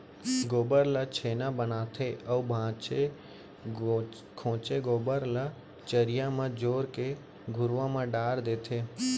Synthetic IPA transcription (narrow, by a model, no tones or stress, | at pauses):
ɡoːbəɾlət͡ʃʰeːnãbənaːt̪ʰeʔəubʱãːt͡ʃe | kʰõːt͡ʃeɡoːbəɾla | t͡ʃəɾɪjãmãd͡ʒoːɾke | ɡʱʊɾʋãmãɖaːɾd̪eːt̪ʰeː